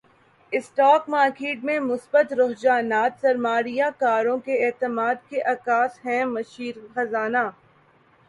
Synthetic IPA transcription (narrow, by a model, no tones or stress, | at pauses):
ɪsʈɔːkmaːɾkeːʈmẽmʊsbət̪ɾoɦd͡ʒaːnaːt̪sɐɾmaːɾijakaːɾõkeeːt̪əmaːd̪keʔɐkaːsɦɛ̃mɐʃiːɾxɐzaːnaː